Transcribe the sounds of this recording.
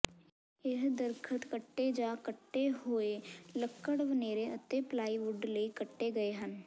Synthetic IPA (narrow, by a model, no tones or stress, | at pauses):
eɦd̪əɾkʰət̪kəʈːed͡ʒaːkəʈːeɦoːeləkːəɽʋəneːɾeət̪ːeplaːiʋʊɖleikəʈːeɡɐeɦən